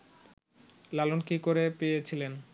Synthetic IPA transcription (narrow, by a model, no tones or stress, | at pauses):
lalonkikoɾepejet͡ɕʰilen